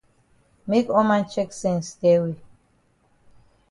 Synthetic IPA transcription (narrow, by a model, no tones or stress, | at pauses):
mekɔmãnt͡ʃʰɛksɛ̃nsdɛwi